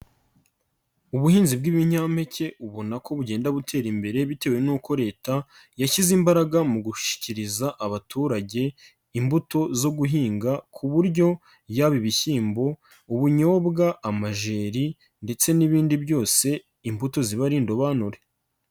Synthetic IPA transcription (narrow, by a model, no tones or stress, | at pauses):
uβuhiːnzib̚ɡiβiɲ̥aːmhe̞ce̞ʔuβo̞nakʰo̞βuɟe̞ːndaβutʰe̞ːɾimbe̞ɾe̞βite̞ːwe̞nuːko̞ɾe̞ːta | jaçizimbaɾaɡamuɡuʃʃi̥ciɾizaʔaβatʰuːɾaɟe̞ | imbuto̞zo̞ɡuɦiːŋɡakʰuβuɾɟo̞ | jaβiβiçiːmbo̞ | uβuɲo̞ːbɡaʔamaʒe̞ːɾi | nde̞t͡se̞niβiːndibjo̞ːse̞ | imbuto̞ziβaɾindo̞βanuɾe̞